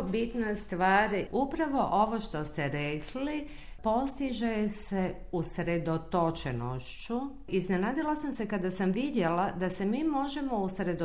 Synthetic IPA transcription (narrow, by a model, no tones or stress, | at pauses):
bit̪nast̪ʋaːɾiʔupɾaʋo̞ʔo̞ʋoʃt̪o̞st̪eɾekʰli | po̞st̪iʒese | usɾed̪ot̪ot͡ʃenoʃt͡ɕu | iznenaːd̪ilasamsekad̪asamʋid̪je̞lad̪asemiːmo̞ʒe̞mo̞usɾe̞d̪o